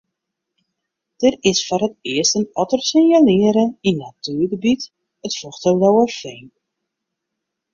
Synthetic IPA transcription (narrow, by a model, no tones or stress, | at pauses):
d̥ərɪsfɔrɦətɪəstənɔtərsɪnjalɪːəɾəinːatyːrɣəbit | ətfɔxtəwdɔwərfɛjn